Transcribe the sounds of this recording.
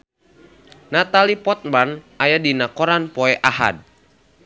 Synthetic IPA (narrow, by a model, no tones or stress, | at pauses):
nat̪alipɔt̪̚man | ajadinakɔɾanpɔɛʔaɦa̰d̚